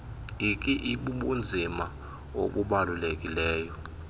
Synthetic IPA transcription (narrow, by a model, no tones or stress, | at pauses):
ik̬ʼiʔiɓuɓund͡zʱima | o̰ɓuɓalulekʼilɛːjɔ